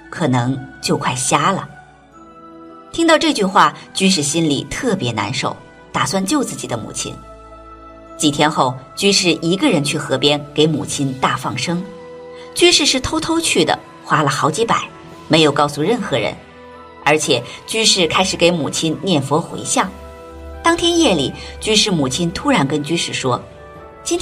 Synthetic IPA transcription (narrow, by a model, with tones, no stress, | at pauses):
kʰɤ˨˩nɤ˧˥ŋt͡ɕjo˥˧ʊkʰwa˥˩ɪɕja˥lə̰˩ | t̪ʰi˥ŋt̪ɑ˥˧ʊʈ͡ʂɤ˥˧t͡ɕy˥˧xwa˥˩t͡ɕy˥nʂ̬ɻ̩˥˩ɕi˥nlḭ˨˩t̪ʰɤ˥˩pjɛ˧˥na̰˧˥nʂo̰˨˩˦ʊ | t̪a˨˩swa˥˧nt͡ɕjo˥˧ʊt͡sɹ̩˥˩t͡ɕi˨˩d̪ə˦mṵ˨˩t͡ɕʰḭ˥n | t͡ɕi˨˩t̪ʰjɛ˥nxo˥˩ʊt͡ɕy˥ʂɻ̩˥˩ʔi˧˥ɡə˧ɻə˧˥nt͡ɕʰy˥˩xɤ˧˥pjɛ˥nke˧˥ɪmṵ˨˩t͡ɕʰi˥nt̪a˥˧fɑ˥˩ŋʂɤ˥ŋ | t͡ɕy˥nʂɻ̩˥˧ʂɻ̩˥˩t̪ʰo˥ʊt̪ʰo˥ʊt͡ɕʰy˥˩d̪ə̰˩ | xwa˥lə˨xɑ˧˥ʊt͡ɕi˧˥pa̰˨˩˦ɪ | me˧˥ɪjo˨˩ʊkɑ˥˩ʊsu˨˧ɻə˥˩nxɤ˧˥ɻə̰˧˥n | ə˞˧˥t͡ɕʰjɛ˨˩t͡ɕy˥ʂɻ̩˥˩kʰa˥ɪʂɻ̩˨˩ke˧˥ɪmu˨˩t͡ɕʰi˥nnjɛ˥˩nfwɔ˧˥xwḛ˧˥ɪɕjɑ˥˩ŋ | t̪ɑ˥ŋt̪ʰjɛ˥njɛ˥˩lḭ˨˩t͡ɕy˥ʂɻ̩˥˩mu˨˩t͡ɕʰi˥nt̪ʰu˥ɻa˧˥nkə˥nt͡ɕy˥ʂɻ̩˥˩ʂwɔ˥ | t͡ɕi˥nt̪